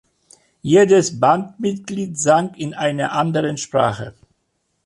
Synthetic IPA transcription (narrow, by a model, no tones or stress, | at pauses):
jeːdəsbantmɪtɡ̥liːtz̥aŋkɪnʔaɪnɐʔandəʁənʃpʁ̥a̰ːχə